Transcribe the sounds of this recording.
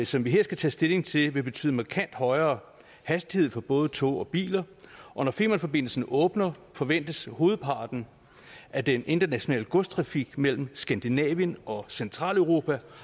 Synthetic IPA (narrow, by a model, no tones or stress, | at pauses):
sɒ̽mʋiɦe̝ɐ̰sɡ̥æt͡sʰɛ̰ːsd̥e̝le̝ŋt͡sʰe̝lʋe̝b̥e̝t͡sʰy̰ːð̩ˠmɑ̈kʰæn̰d̥hɒ̽ɪɐː | hæsd̥ihe̝ð̞̰ˠfɒ̽b̥ɔ̽ːð̞ˠət͡sʰɔ̰ɒ̽b̥ḭːlɐʔɒ̽nɒfe̝̰mɐnfɒ̽b̥e̝n̰l̩sn̩ʔɔ̽ːb̥nɐfɒ̽ʋen̰d̥əsho̝ːð̞̩ˠpʰɑ̈ːd̥n̩ | ʔæd̥enʔe̝nd̥ɐnæɕo̝nɛ̰ːləɡ̥ɔs̚t͡sʰʁɑ̈fiɡ̥mel̰m̩sɡ̥ænd̥inɛ̰ːʋiənɒ̽sent͡sʰʁɑ̰̈ːlœʊʁo̝ːpʰæ